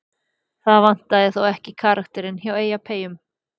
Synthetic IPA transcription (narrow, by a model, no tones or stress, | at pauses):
θaðvan̥t̪aðɪθowɛhcɪkʰaːɾakt̪ɛɾɪnçaweːjapʰeːjʏm